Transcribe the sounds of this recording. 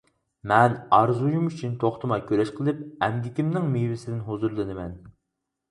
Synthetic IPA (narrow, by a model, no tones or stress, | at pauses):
mɛnɑɾzujumyt͡ʃʰynt̪ʰoχt̪ʰɨmɑkʲʰøɾɛʃqʰəlˠɨp̚ɛmd̪ʲɪkʲimnɪŋmewɪsɪd̪ɪnɦozuɾlˠɨnɨmɛn